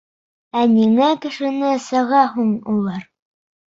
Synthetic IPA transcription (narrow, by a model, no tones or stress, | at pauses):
æniŋækɘ̆ʃɘ̆nɘsɤ̆ʁɑɦuɴulˠɑɾ